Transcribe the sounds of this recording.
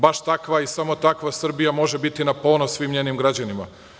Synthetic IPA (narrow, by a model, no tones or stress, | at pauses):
baʃt̪akʋaisamo̞t̪akʋasr̩bijamo̞ʒe̞bit̪inapo̞ːnosːʋiːmɲenimɡɾad͡ʑanima̰